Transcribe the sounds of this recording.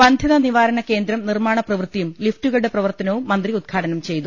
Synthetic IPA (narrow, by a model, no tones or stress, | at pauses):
pɐnd̪ʱjɐðɐniʋaːɾɐɳɐke̞ːnd̪ɾɐmnirmaːɳɐprɐʋrɨt̪ːijumliftuɣɐɭɽe̞prɐʋɐrt̪ɐnɐʋummːɐnd̪riud̪̚ɡʰaːʈɐnɐmt͡ɕe̞jt̪u